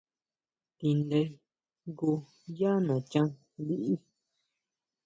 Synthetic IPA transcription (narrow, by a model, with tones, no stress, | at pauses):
t̪i˧nd̪e˧ | ɡu˧ | ja˦nõ˨t͡ʃã˦ | d̪i˧ʔi˦